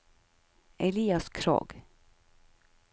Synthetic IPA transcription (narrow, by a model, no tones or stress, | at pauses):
ʔɛliːɑskʰɾo̰ːɡ̥